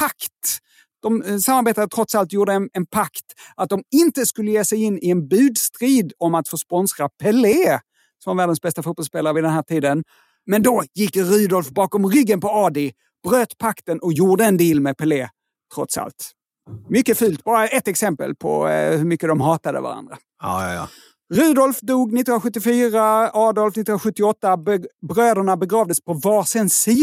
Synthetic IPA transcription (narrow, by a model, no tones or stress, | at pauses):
pʰakt̪ | d̪̥ɔmsamːaɾbeːt̪aɾət̪ʰɾɔt̪salt̪juːɖənɛnpʰakt̪at̪̚d̪ɔmɪnt̪əskɵlːəjeːsɛjɪnːɪɛnbʉ̟ːd̪st̪ɾiːd̪ɔmat̪fœʂpɔnsɾapʰɛleː | sɔmvæːɖənsbɛst̪afuːt̪̚bɔlspeːlaɾəvɪd̪ɛnɦæːʈʰiːd̪ən | mɛnd̪ɔjɪkːɾʉːd̪ɔlfbɑːkɔmɾʏɡːənpɔɑːd̪ɪ | b̥ɾøːt̪pʰakt̪ənɔkjuːɖəɛnd̪iːlmɛpʰɛleː | t̪ʰɾɔt̪sa̰lt̪ | mʏkːəfʉːlt̪bɑːɾaʔɛt̪ːɛksɛmpə̰lpʰɔ̰hɵɾmʏkːəd̪ɔmɦɑːt̪ad̪ə̰va̰ɾa̰nd̪ɾa̰ | ɾʉ̟ːd̪ɔlfd̪uːɡnɪt̪ɪːhʊnɧɵt̪ːɪfyːɾaɑːd̪ɔlfnɪt̪ːh̪nɧɵt̪ːɪɔt̪ːabɾøːd̪əɳabɛɡɾɑːvd̪əspʰɔvɑːsənsiː